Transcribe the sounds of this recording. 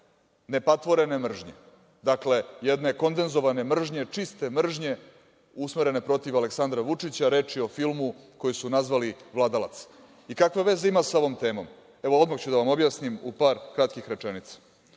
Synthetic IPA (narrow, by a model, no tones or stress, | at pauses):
ne̞pat̪ʋo̞ɾe̞nemr̩ʒɲe̞̰ | d̪akle̞jed̪neko̞nd̪e̞nzo̞ʋane̞mr̩ʒɲet͡ʂist̪e̞mr̩ʒɲe̞ | usmeɾe̞ne̞pɾo̞t̪iʋale̞ksand̪ɾaʋut͡ʂit͡ɕaɾe̞ːt͡ʂio̞filˠmuko̞jisunazʋaliʋlˠaːd̪ala̰t̪s | ikakʋe̞ʋe̞ze̞imasao̞ʋo̞mt̪e̞ːmo̞̰m | e̞ʋo̞od̪maxt͡ɕud̪aʋamo̞bjaːsnimupaːɾkɾat̪kixɾe̞t͡ʂe̞nit̪sḁ